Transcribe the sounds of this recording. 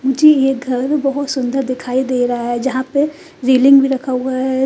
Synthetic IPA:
mʊd͡ʒʱejeːɡʱɐɾɾbɐɦʊt̪sʊ̃nd̪əɾd̪ɪkʰaːid̪eːɾɐɦaɦɛd͡ʒɐɦãpe | ɾeːlɪ̃ŋɡbʱiɾɐkʰaoɡaɦɛ

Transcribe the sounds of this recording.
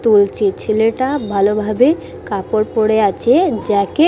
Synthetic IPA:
t̪ult͡ɕʰet͡ɕʰeleʈabʱalobʱabe | kapoɾpoɽeat͡ɕʰed͡ʑake

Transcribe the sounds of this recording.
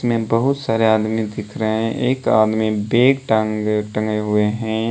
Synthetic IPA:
smẽbɐɦʊt̪saːɾeaːd̪mid̪ɪkʰɾəɦɛ̃ʔeːka̰ːd̪mibeːkʈaʈə̃ŋɡeɦʊeɦɛ̃

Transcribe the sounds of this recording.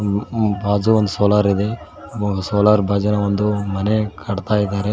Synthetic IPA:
baːd͡ʒuond̪usoːlaːɾid̪e | ɡɐsoːlaːɾbʱaːd͡ʒɐnɐond̪umɐnekʰɐɽt̪aːjid̪aːɾe

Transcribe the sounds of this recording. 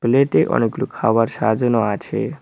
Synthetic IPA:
bleʈeʔɔ̰neklukʰaʋaɾʃad͡ʒɔnɔat͡ʃʰḛ

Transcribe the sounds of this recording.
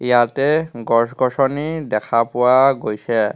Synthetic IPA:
ijatɛɡɔɹsɡɔsɔnidɛkʰapʊwaɡojsɛ

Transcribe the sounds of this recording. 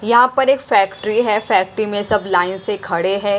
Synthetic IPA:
jɐɦãpɐɾeːkfɛːkʈɾiɦɛfɛːk̚ʈɾimẽsɐblaːɪnsekʰɐɽeɦɛ̃ː

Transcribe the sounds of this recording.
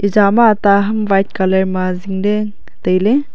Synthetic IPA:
id͡ʒamat̪aɦɐmʋajt̚kalɐɾmaziŋdeŋ | t̪əjle

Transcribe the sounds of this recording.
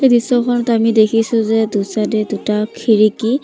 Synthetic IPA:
xejdisɔkʰɔnɔtamidekʰisʊ̃zɛdusadɛdutakʰiɹiki

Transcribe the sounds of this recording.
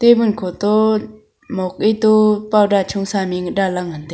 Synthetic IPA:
t̪ebɯnkʰɔt̪ɔ | mɔk̚et̪upawdat͡ʃʰuŋsamiŋdalaŋand̪e

